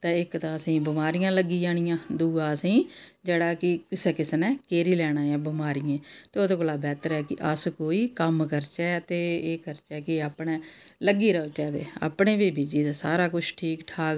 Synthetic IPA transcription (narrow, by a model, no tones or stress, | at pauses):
t̪ãːɪkt̪ãːəsĩːbɪmaːɾijãːləɡiːd͡ʒaːɽ̃ɪjãːd̪uːaːəsĩːd͡ʒeːɽaːkɪkɪseːkɪsnɛːkeːɾiːlɛːɽ̃ãːãːbɪmaːɾɪjẽːt̪eːod̪oːkəlaːbɛːt̪əɾɛːkɪʔəskoːiːkəmkəɾt͡ʃɛːt̪eːeːkəɾt͡ʃɛːkɪaːpɽ̃ɛ̃ːləɡiːɾəot͡ʃɛːt̪eːa̰ːpɳeːbeːbiːd͡ʒiːd̪aːsaːɾaːkʊt͡ʃʰʈʰiːkʈʰaːɡ